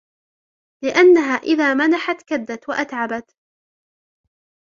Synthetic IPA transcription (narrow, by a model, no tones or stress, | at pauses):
lɪʔanːaɦaːʔɪðaːmanaħat̪kad̪ːat̪waʔat̪ʕabat̪